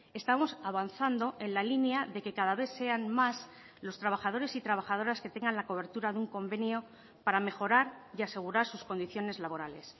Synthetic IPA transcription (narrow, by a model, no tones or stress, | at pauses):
e̞st̪amo̞saβanθand̪o̞ʔe̞nlalinjaðe̞ke̞kaðaβe̞θse̞anmas | lo̞st̪ɾaβ̞axað̞o̞ɾe̞sit̪ɾaβaxaðo̞ɾaske̞t̪e̞ŋɡanlako̞β̞e̞ɾt̪uɾaðuŋko̞mbe̞njo̞ | paɾame̞xo̞ɾaɾiase̞ɣ̞uɾaɾsusko̞nd̪iθjo̞ne̞zlaβ̞o̞ɾale̞̰s